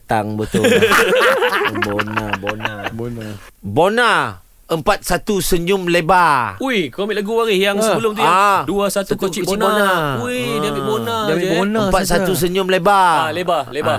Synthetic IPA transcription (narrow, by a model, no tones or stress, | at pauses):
t̪aŋbət̪ʊ | bonabona | bona | əmpat̪̚sat̪usəɲʊmlebauikomit̪laɡuwaɾihjaŋsəbəlʊmujaaduasat̪ukot͡ʃbnonauidiabiʔbonaonaəpat̪̚sat̪us̬əɲʊmlebaalebaleba